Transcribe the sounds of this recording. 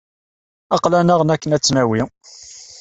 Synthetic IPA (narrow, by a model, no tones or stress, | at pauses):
ɑqlænəʁnækːənæt͡sːnæwi